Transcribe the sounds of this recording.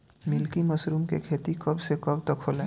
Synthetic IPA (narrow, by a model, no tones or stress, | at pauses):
mɪlkimɐsɾuːmkḛkʰeːt̪ikɐbsekɐbt̪ɐkʰːoːlɛ̃